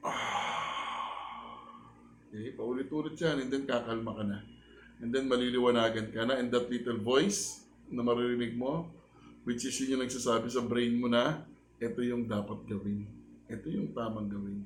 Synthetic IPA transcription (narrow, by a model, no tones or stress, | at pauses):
ʔa | okɛjpɐʔʊlɪt̪uːlɪt̪̚t͡ʃanʔɛnd̪ɛnkaːkɐɐlmɐkɐnɐ | ʔɛnd̪ɛnmɐliːlɪwɐnaːɡɐnkɐnɐʔɛnd̪ɐt̪liːt̪ɛlvo̞js | nɐmɐɾɪɾɪnɪɡ̚mo̞ | wɪt͡ʃɪsjɪɲʊŋnɐɡ̚saːsaːbɪsɐbɾejnmo̞nɐ | ʔɛt̪o̞jʊŋd̪aːpɐt̪̚ɡɐwɪnʔɛt̪o̞jʊŋt̪aːmɐŋɡɐwɪn